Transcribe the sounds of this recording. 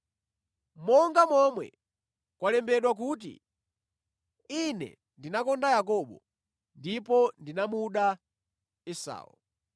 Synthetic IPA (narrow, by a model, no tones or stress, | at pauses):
mɔŋɡamɔmwɛ̰ | kwalɛmbɛɗwak̬uːt̬ḭ | inɛ̰ | ndinakɔndajakɔɓɔ̰ | ndipɔndinamuɗa | ɛsa̰ːṵ